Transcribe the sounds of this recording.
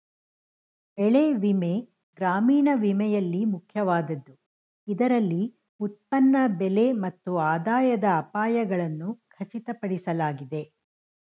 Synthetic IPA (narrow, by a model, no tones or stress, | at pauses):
ɛɭeʋime̞ | ɡɾaːmiːɳɐʋimɛjɐlːimukʰjɐʋaːd̪ɐd̪ːu | id̪ɐɾɐlːi | ut̪̚pɐnːɐbɛle̞mɐt̪ːuaːd̪aːjɐd̪ɐːpaːjɐɡɐɭɐnːukʰɐt͡ʃit̪ɐpɐɽisɐlaːɡid̪e̞